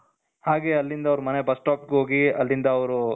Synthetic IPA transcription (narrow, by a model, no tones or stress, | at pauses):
haːɡe̞ɐlːind̪ɐʋɾumɐnebɐsʈaːp̚ɡeɦoːɡiɐlːind̪ɐɐʋɾu